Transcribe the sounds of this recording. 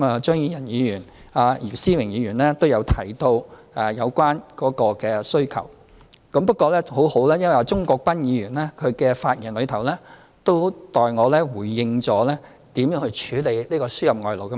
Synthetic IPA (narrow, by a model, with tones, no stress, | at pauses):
maː˨˧t͡ʃœː˥ŋjiː˧jɐ˨˩njiː˨˧jyː˨˩n | aː˨jiː˨˩siː˥wɪ˨˩ŋjiː˨˧jɥyː˨˩nlɛː˥t̪o˥wjɐ˨˧wt̪ʰɐ˨˩jt̪o˧w | aː˨˩jɐ˨˧wkʷwaː˥nkɔː˨˥kɔː˧kɛː˧sɵ˥ɥkʰɐ̰˨˩w | kɐ˨˥mpɐ˥t̚kʷɔː˧lɛː˥ho˨˥who˨˥wlaː˥jɐ˥nwja˨˧t͡sʊ˥ŋkɔː˧k̚pɐ˥njiː˨˧ɥyː˨˩nlɛː˥kʰɵ˨˧kɛ˧faː˧t̚jiː˨˩nlɵ˨˧ɥt̪ʰɐ˨˩wlɛː˥ | t̪o˥wt̪ɔː˨˧jŋɔː˨˧lɛː˥wuː˨˩jːɪ˧ŋt͡sɔː˨˥lɛː˥ | t̪iː˨˥mjœː˨˥ŋhɵ˧t͡ʃʰyː˨˧˥le˨˧jliː˥kɔː˧syː˥jɐ˨p̚ŋɔː˧jlo˨wkɐ˥